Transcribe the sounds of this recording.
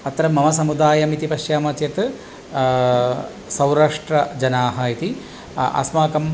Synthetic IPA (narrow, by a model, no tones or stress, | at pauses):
ɐt̪ːɾɐmːɐmɐs̬ɐmud̪aːjɐmit̪ipɐʃjaːmɐt͡ʃjɐt̪ɨ | sɐwɾaːʂʈɾɐd͡ʒɐnaːɦɐit̪i | ɐ̰smaːkɐm